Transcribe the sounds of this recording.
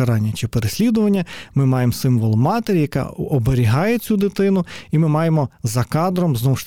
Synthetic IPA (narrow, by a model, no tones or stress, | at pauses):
ɐɾɑnʲːɐt͡ʃɪpeɾesʲlʲid̪ʊʋɐnʲːɐmɪmɑjemsɪmʋɔlˠmɑt̪eɾʲijɐkɑ̰ɔbeɾʲiɦɑjet͡sʲud̪ɪt̪ɪnʊimɪmɑjemɔzɐkɑd̪ɾɔmznɔwʃ